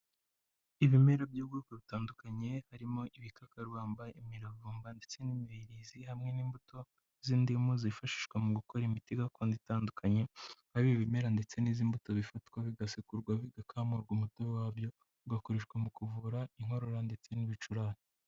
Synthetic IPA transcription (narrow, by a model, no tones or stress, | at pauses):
iβime̞ɾobjuːbɡokeβitaːndukaɲe̞haɾimo̞ʔiβikakaɾwaːmbaimiɾavuːmbande̞t͡se̞nimiiɾizihamŋe̞niːmbuto̞ | ziːndimuzifaʃi̥ʃkwemuɡuko̞ɾimitiɡakoːnditaːndukʰaɲeβaβiβime̞ɾande̞t͡se̞niziːmbutoβifatkwaβiɡasikuɾɡwaβiɡakʰaːmuɾɡumutowaːβjo̞ | ɡako̞ɾeʃkwemukuvuɾaiŋ̥ho̞ɾo̞ɾande̞t͡se̞niβit͡ʃuɾaːɾe